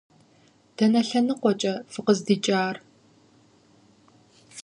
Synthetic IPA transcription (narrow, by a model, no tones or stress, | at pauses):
d̥ɐnɐɬɐnɨqʷɔt͡ʃʼɐfɨqəzdiːt͡ʃʼaːr